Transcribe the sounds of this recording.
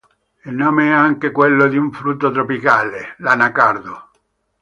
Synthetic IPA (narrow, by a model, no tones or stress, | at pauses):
ilnoːmeɛaŋkekwelːod̪iuɱfɾut̪ːot̪ɾopikaːlelanakard̪o